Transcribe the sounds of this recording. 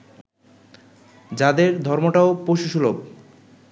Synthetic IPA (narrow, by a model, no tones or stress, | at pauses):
d͡ʑad̪eɾd̪ʱɔɾmoʈaopoʃuʃulob